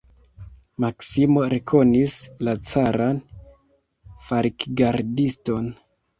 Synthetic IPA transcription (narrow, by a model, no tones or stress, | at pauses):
maksimo̞ɾe̞kʰo̞nislat͡saɾan | faɾikɡaɾdisto̞n